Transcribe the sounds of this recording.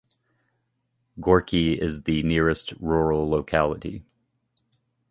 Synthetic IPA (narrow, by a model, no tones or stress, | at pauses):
ɡ̥ɔɹkʰiɪzðɨnɪɹɨstɹɔɹl̩ˠloʊkʰælˠəɾḭ